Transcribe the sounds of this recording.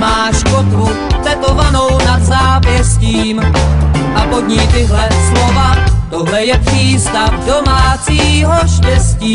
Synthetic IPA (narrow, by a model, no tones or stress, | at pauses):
maːʃkot̪vu | t͡s̪ɛt̪ovanownad̪zaːpjɛsciːm | ʔapod̪ɲiːt̪ɪɦlɛslovat̪oɦlɛjɛpr̝̥iːst̪afdomaːt͡siːɦo̞ʃcɛsciː